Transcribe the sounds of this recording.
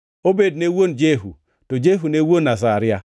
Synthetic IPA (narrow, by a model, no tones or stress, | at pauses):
obednewond͡ʒeɦṵ | tod͡ʒeɦunewonːas̬aɾia